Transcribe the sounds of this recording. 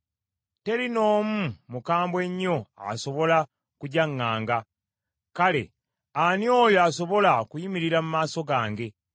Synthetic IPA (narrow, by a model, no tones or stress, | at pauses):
te̞ɾino̞ːmumukaːmbwe̞ɲːo̞a̰so̞βo̞la | kuɟaŋːaːŋɡa | kale̞̰ | anjo̞ːjoaso̞βo̞lakujimiɾiɾamumaːso̞ɡaːŋɡe̞